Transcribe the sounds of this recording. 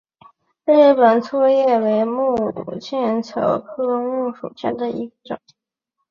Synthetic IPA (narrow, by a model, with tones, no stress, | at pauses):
le˥˩ɪpə˨˩nt͡sʰwɔ˥˧jɛ˥˩we˧˥ɪmu˥˩u˨˩t͡ɕjɛ˥˩nt͡sʰɤ̰˧˥ʊkʰɤ˥mu˥˩ʂṵ˨˩ɕɛ̰˥˩nd̪ə˩i˧˥ɡə˧ʈ͡ʂʊ̰˨˩˦